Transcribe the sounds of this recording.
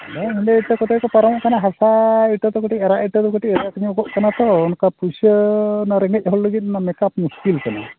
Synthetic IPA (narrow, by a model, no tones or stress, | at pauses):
naid̪ɛiʈ̪ɔkɔt̪ɛkɔpɔɾɔmɔʔkanaɦasaiʈɔt̪ɔkɔʈiɛɾaʔiʈɔt̪ɔkɔʈiɛɾakaɲuɡɔʔkanat̪ɔːnkapusənɔɾɛŋɡɛc̚ˀɦɔlləɡit̪̚namɛkapmuskilkana̰